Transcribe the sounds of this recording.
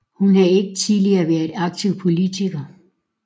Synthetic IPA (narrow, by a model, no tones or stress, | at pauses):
hunhɑ̈e̝ɡ̥ət͡sʰiðˠliɐʋæɐðˠɑ̈ɡ̥̚t͡sʰiʊ̰pʰo̝lit͡sʰiɡ̥ɐ